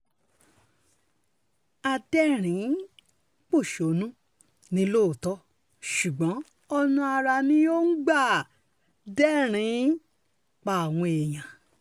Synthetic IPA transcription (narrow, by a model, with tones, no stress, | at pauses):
a˧dɛ˦ɾ̃ĩ˨˦ | k͡po˦˨ʃo˨˦nũ˦ | nĩ˦lo˦˨tɔ˦ | ʃu˨ɡ͡bɔ̃˨˦ | ɔ˧nũ˧a˧ɾa˧nĩ˦jo˦ŋ̩˦ɡ͡ba˦˨ | dɛ˦ɾ̃ĩ˨˦ | k͡pa˨a˨w̃ɔ̃˧e˨j̃ã˨